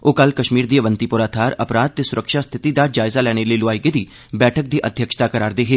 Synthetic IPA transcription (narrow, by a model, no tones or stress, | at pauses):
oːkəlkəʃmiːɾd̪iːəʋənt̪iːpʊɾaːt̪ʰaːɾəpɾaːd̪̚t̪eːsʊɾəkʃaːst̪ʰɪt̪iːd̪aːd͡ʒaːɪzaːlɛːɽ̃eːləiːloaːiɡed̪iː | bɛːʈʰək̚d̪iːʔəd̪ʱjəkʃt̪aːkəɾaːɾd̪eːɦeː